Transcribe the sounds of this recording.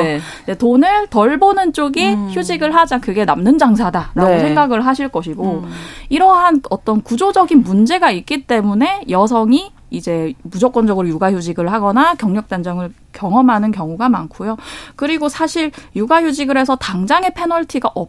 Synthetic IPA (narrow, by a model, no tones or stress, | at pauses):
detonɯɭtʌɭbonɯnt͡ɕ͈oɡiçjud͡ʑiɡɯɭɦad͡ʑakɯɡe̞namnɯnd͡ʑaŋsʰadaɾaɡosʰe̞ŋŋɡaɡɯɭɦaɕʰiɭk͈ʌɕʰiɡoiɾʌɦanʌt͈ʌnkud͡ʑod͡ʑʌɡinmund͡ʑe̞ɡaik̚k͈it͈e̞mune̞jʌs̬ʰʌŋi | id͡ʑe̞mud͡ʑok͈ʌnd͡ʑʌɡɯɾojuɡaçjud͡ʑiɡɯɭɦaɡʌnakjʌŋɲʌk̚t͈and͡ʑʌŋɯɭ | kjʌŋʌmɦanɯnkjʌŋuɡamankʰojokɯɾiɡosʰaɕʰiɾjuɡaçjud͡ʑiɡɯɾe̞sʰʌtaŋd͡ʑaŋe̞pʰe̞nʌɭtʰiɡaʔʌp̚